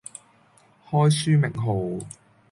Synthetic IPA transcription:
hɔː˥jsyː˥mɪ˨˩ŋɦo˨˩w

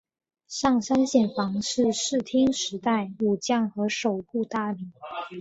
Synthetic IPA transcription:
ʂɑ˥˩ŋʂa˥nɕjɛ˥˩nfɑ˧˥ŋʂɻ̩˥˧ʂɻ̩˥˩t̪ʰi˥ŋʂɻ̩˧˥t̪a˥˩ɪu˨˩t͡ɕjɑ˥˩ŋxɤ˧˥ʂo˨˩ʊku˥˧t̪a˥˩li˨˧˩ŋ

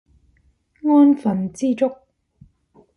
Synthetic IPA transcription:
ŋɔː˥nfɐ˨˩nt͡siː˥t͡sʊ˥k̚

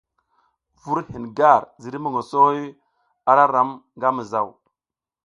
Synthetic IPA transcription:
vu˦ɾhi˨nɡa˦˨ɾzi˨ɾi˦mə˦˨ŋo˨so˦ji˦ | a˨ɾa˦ɾa˨˦mŋɡa˦mə˨za˨w

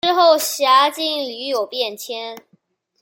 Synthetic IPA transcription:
ɻ̩˥xo˥˩ʊɕja˥t͡ɕi˥˩ŋy˧˥jo˨˩ʊpjɛ˥˩nt͡ɕʰjɛ˥n

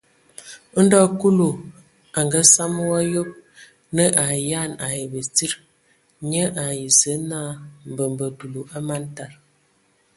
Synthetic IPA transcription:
n̩˦dɔ˦˨ku˦lu˨ | a˨ŋɡə˦sa˦m˦wa˦jo˦p̚ | nə˦ʔa˨ja˦˨na˨je˨bə˨ti˦ɾ | ɲə˦ʔa˨ji˨sə˨˦na˦m̩˨bə˨m˨bə˨du˨lu˨ʔa˦ma˦n˦ta˨ɾ

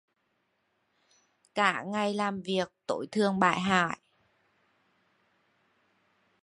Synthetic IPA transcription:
kaː˧˩ŋa˨˩jlaː˨˩mvi˨˩ək̚t̪o̰˧˩jt̪ʰɨ˨˧əŋɓa̰ː˧˩˨jɦa̰ː˧˨j

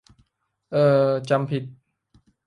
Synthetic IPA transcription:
ʔɤː˨˩t͡ɕa˧mpʰi˨˩t̪̚

